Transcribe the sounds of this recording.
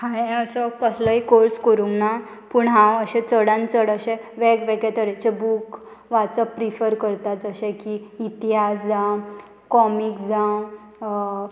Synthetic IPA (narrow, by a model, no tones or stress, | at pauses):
hãeəsɔkəsləikoɾskəɾuŋɡna | puːɳɦãəɕɛ̃t͡səɽãnt͡səɽəɕɛ̃ʋɛɡʋɛɡet̪əɾet͡ɕebuk | ʋat͡səpɾifəɾkəɾt̪at̪əɕɛkiit̪iɦasd͡zã | kɔmikd͡zã